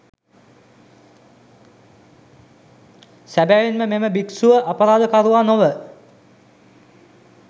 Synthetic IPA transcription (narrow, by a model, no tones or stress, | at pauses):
sæbæʋinməmeməbiksuʋəʔapəɾaːd̪əkaɾuʋaːnoʋə